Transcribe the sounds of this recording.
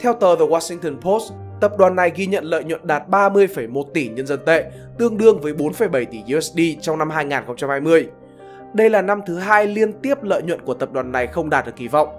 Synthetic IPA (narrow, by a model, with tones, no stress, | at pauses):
t̪ʰɛ˧wt̪əː˨˩vəː˨˩waː˧sï˧ŋt̪əː˧npʰo˦˥s | t̪ə˨˩p̚ɗwaː˨˩nːa˨˩jɣi˧ɲə̰˧˨nlə̰ː˧˨jɲwə̰˧˨nɗaː˨˩t̚ɓaː˧mɨ˧əjfə˧˩jmo˨˩t̚t̪i˧˩ɲə˧nzə˧nt̪ḛ˧˨ | t̪ɨ˧əŋɗɨ˧əŋvəː˨˦jɓo˨˦nfə˧˩jɓə˧˩jt̪i˧˩zu˧ɛ˦˥sɗi˧t͡ɕɔ˧wŋ͡mna˧mɦaː˧jŋaː˨˩nxə˧wŋ͡mt͡ɕa˧mhaː˧jmɨ˧əj | ɗə˧jlaː˨˩na˧mt̪ʰɨ˨˦ɦaː˧jli˧ənt̪i˦˥əp̚lə̰ː˧˨jɲwə̰˧˨nku˧˩ət̪ə˨˩p̚ɗwaː˨˩nːa˨˩jxə˧wŋ͡mɗaː˨˩t̚ɗɨ˨˩k̚ʔi˨˧˩vɔ̰˧˨wŋ͡m